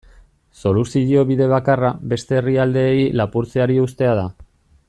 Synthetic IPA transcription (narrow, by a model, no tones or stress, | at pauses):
so̞lusiʎio̞βiðe̞βakarabe̞st̪e̞ːriald̪e̞ːilapuɾt͡seaɾiust̪e̞að̞a